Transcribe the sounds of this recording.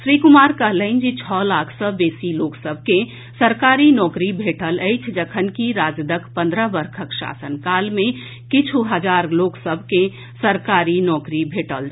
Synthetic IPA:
ʃɾikumaɾkəɦləɪnd͡ʒit͡ʃʰɔlakʰsə̃besiloːksəbʱke | səɾkaɾinɔːkɾibʱeʈələjt͡ʃʰd͡ʒəkʰənkiɾad͡ʒd̪əkʰpə̃nd̪ɾəbəɾkʰəkʃa̰sənkalme | kit͡ʃʰuɦəd͡ʒaɾloːksəbʱke | səɾkaɾinɔkɾibʱeʈəl

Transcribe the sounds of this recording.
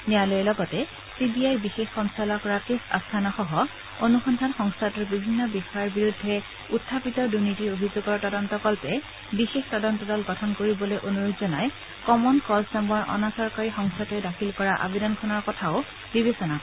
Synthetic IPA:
nialojɛlɔɡɔtɛ | sibiajɹbixexxɔŋstalɔkɔɹakesa̰stʰanɔxɔɦɔ | onuxɔndʱanxɔŋstʰatɔɹbibʱinːɔbixɔjaɹbiɹudʱːɛ | utʰːapitɔdunitiɹobʱizoɡɔɹtɔdɔntɔkɔlpɛ | bixextɔdɔntɔdɔlɡɔtʰɔnkoɹibɔlojʔonuɹudzɔnaj | kɔmɔnkɔsnambaɹʔɔ̰nasɔɹkaɹixɔŋstʰatɔjdakʰilkɔɹaʔa̰bedɔnkʰɔnɔɹkɔtʰaʊ | bibesɔnak

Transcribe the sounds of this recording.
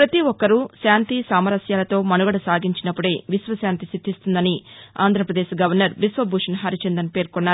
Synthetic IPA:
pɾɐt̪iʋɔkːɐɾuʃaːnt̪isaːmɐɾɐsjaːlɐt̪o̞ːmɐnuɡɐɽɐsaːɡiɲt͡ʃinɐpːuɽe̞ːʋisʋɐsjaːnt̪isid̪ʱːist̪und̪ɐnia̰ːnd̪ʱɾɐpɾɐd̪eːʃɡɐʋɐɾnɐɾʋisʋɐbʱuːʂɐnɦɐɾit͡ʃend̪ɐnpeːɾkonːaːɾu

